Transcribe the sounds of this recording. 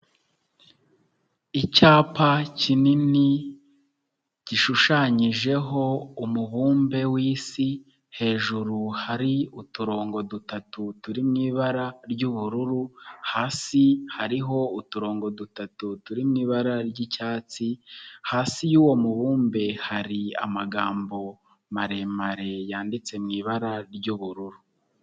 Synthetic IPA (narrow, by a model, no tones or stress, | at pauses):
icaːpacinini | ɟ̥iʃuʃaɲiʒe̞ɦo̞umuβuːmbe̞wiːsi | he̞ːʒuɾuhaɾiutuɾo̞ːŋɡo̞dutatutuɾimŋiːβaɾaɾɟuβuɾuɾuhaːsihaɾiɦo̞utuɾo̞ːŋɡo̞dutatutuɾimŋiːβaɾaɾɟicaːt͡sihaːsijuːwo̞muβuːmbe̞haɾia̰maɡaːmbo̞ | maɾe̞maɾe̞jaːndit͡se̞mŋiːβaɾaɾɟuβuɾuɾu